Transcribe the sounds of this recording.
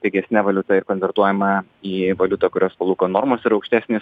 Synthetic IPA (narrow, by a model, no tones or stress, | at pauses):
t̪ʲɛɪɡʲɛsʲnʲɛʋɐlʲʊt̪ɐɪɾkonʲʋʲɛɾt̪uɔjɛmɐ | iːʋɐlʲʊt̪ɑkʊɾʲoːspɐlˠuːkoːnoːɾmoːsɪɾɒʊkʃʲt̪ʲæːsʲnʲeːs